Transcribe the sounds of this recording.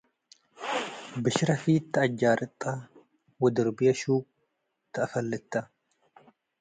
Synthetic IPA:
bɪʃɪɾɐfiːt̪ːɐːd͡ʒːaːɾʔɪt̪ʼːa | wɐd̪ɪɾbɪɐʃuːk | t̪ːɐːfɐlːɛt̪ːɐ

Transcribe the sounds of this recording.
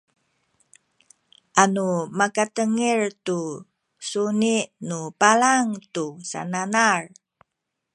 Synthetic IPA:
ʔanumakatəŋirtu | suniʔnupalaŋtusa̰nanar

